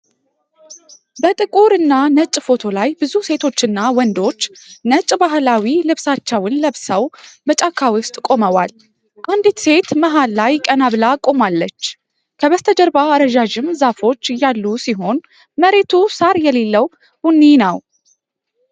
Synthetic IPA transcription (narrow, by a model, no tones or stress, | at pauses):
bət̪ʼɨkʼuɾɨnːanət͡ʃʼfo̞t̪ʰo̞lajbɨzuse̞t̪ʰo̞t͡ʃːɨnːawɔnd̪o̞t͡ʃːnət͡ʃʼbaɦlawilɨβsat͡ʃːəwɨnləβsəwbət͡ʃʼakʰːawʊst̪ʼkʼo̞məwa̰l | ʔand̪t̪se̞t̪məɦalːajkʼənaβɨlakʼo̞malːət͡ʃː | kʰəβəst̪ʰəd͡ʒəɾbaːɾəʒaʒɪmzafo̞t͡ʃːjalːusiɦo̞n | məɾe̞t̪ʰusaɾjɛle̞lːəw | hunːinəw